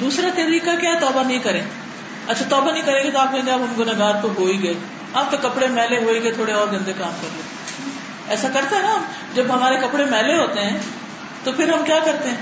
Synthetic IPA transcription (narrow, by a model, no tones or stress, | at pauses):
d̪uːsɾat̪ɛɾiːkakjaːɛt̪ɔːbanɐɦĩkɐɾẽː | ɐtːʃʰat̪ɔːbanə̃ĩkɐɾẽɡet̪oaːp̚kẽːɡeaːpɦɐmɡʊnɐɡaːd̪̚koɦoːiɡɐe | aːp̚t̪okːɐpɽemɛːleɦoːiɡɐet̪ʰoːɽeɔːɾɡɐ̃nd̪ekaːmkɐɾlẽː | ɛːsakɐɾt̪aɦɛnaɦɐm | d͡ʒɐbɦɐmaːɾekɐpɽemɛːleɦoːt̪eɦɛ̃ː | t̪opʰɪɾɦɐmkjaːkɐɾt̪eɦɛ̃ː